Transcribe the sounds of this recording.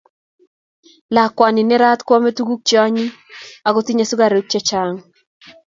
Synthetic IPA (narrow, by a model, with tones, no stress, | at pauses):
la˨kwa˨nɪ˨nɛ˦ɾa˦t̪kwɔ˦me˦tu˦ɡu˦k̚t͡ʃɔ˦ɲi˦ | a˨ɡo˦ti˦ɲa˦su˦ɡa˨ɾe˨˦k̚t͡ʃɛ˦t͡ʃa˦ŋ